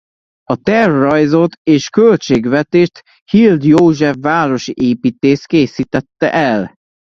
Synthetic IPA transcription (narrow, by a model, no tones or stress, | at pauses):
ɒt̪ɛrːɒjzo̞t̪eːʃkølt͡ʃeːɡʋɛt̪eːʃt̪ | hild̪joːʒɛfːaːɾo̞ʃiʔeːpiːt̪eːst̪keːsit̪ɛt̪ːɛ̰ʔɛl